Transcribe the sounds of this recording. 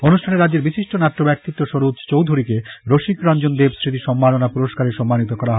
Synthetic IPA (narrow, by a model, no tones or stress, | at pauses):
onuʃʈʰaneɾadːeɾbiʃiʃʈonat̪ːobɛk̚t̪it̪ːoʃoɾud̪t͡ɕowd̪ʱuɾikeɾoʃikɾɔnd͡ʑond̪ebsɾit̪iʃɔmːalonapuɾoʃkaɾeʃɔmːanit̪̬okɔɾaɦɔe